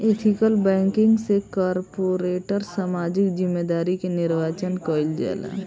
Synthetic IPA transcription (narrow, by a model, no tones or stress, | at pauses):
eːt̪ʰɪkəlbɛ̃ːŋkɪ̃ŋɡsekaːɾpoːɾeːʈəɾsaːmaːd͡ʒɪkzɪmːed̪aːɾikenɪɾʋaːt͡ʃənkɔːɪld͡ʒɛ̰ːla̰ː